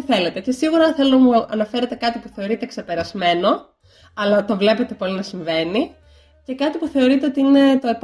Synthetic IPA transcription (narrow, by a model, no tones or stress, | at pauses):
θe̞le̞t̪e̞cesiɣuɾɐθe̞lunɐmuɐnɐfe̞ɾet̪e̞kɐt̪ipuθe̞o̞ɾit̪e̞kse̞pe̞ɾɐzme̞no̞ | ɐlɐt̪o̞vle̞pe̞t̪e̞po̞linɐsiɱve̞ni | ce̞kɐt̪ipuθe̞o̞ɾit̪e̞o̞t̪iine̞t̪o̞e̞p